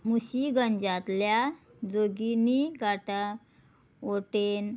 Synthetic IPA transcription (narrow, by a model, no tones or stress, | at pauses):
muɕiɡəɲd͡ʑat̪lja | d͡zoɡiniɡaʈa | oʈen